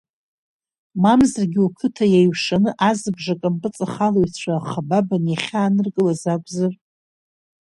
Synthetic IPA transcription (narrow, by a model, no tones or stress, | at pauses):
mamzarɡʲɪukʰɨtʰajajʂanɨʔazɨbʐakʼampʼɨt͡sʼaχalojt͡ɕʷʰaχababanjaχʲaːnɨrkʼɨlazakʷʼzɨr